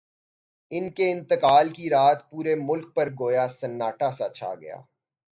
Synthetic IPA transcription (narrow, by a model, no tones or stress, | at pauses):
ɪnkeɪ̃nt̪əkaːlkiɾaːt̪puːɾemʊlk̚pɐɾɡoːjasɐnːaːʈasat͡ʃʰa̰ɡɐ̰ja̰ː